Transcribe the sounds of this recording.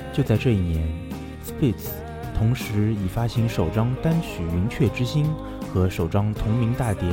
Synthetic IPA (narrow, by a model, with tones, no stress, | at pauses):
t͡ɕjo˥˧ʊt͡sa˥˧ʈ͡ʂɤ˥˧i˥˩njɛ˧˥n | spi˥˩ts | t̪ʰʊ˧˥ŋʂɻ̩˧˥i˨˩fa˥ɕi˧˥ŋʂo˨˩ʊʈ͡ʂɑ˥ŋt̪a˥nt͡ɕʰy˨˩y˧˥nt͡ɕʰɥɛ˥˩ʈ͡ʂɻ̩˥ɕi˥n | xɤ˧˥ʂo˨˩ʊʈ͡ʂɑ˥ŋt̪ʰʊ˧˥ŋmi˧˥ŋt̪a˥˩t̪jɛ˧˥